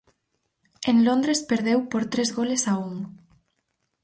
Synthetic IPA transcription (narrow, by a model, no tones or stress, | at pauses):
eŋlond̪ɾespeɾðewpoɾt̪ɾezɣolesauŋ